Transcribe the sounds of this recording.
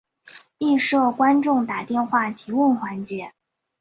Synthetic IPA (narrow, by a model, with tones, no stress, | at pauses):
i˥˧ʂɤ˥˩kwa˥nʈ͡ʂʊ˥˩ŋt̪a˨˩t̪jɛ˥˧nxwa˥˩t̪ʰi˧˥wə˥˩nxwa˧˥nt͡ɕjɛ˧˥˦